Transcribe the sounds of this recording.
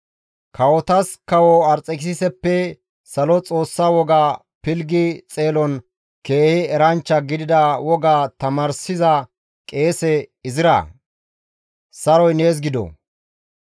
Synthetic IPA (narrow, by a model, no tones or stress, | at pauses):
kʰɐwɔt̪ɐskɐwɔɐɾt͡sʼɛkɪsɪsɛpːɛ | sɐlɔt͡sʼo̞ːsːaːwɔɡaː | pɪlɡɪt͡sʼe̞ːlɔn | keːheɛɾɐnt͡ʃːɐɡɪd̪ɪd̪ɐwɔɡat̪ɐmaːɾsɪzɐ | kʼe̞ːsɛɪzɪɾɐ̰ | sɐɾɔjneːs̬ɡɪd̪ɔ̰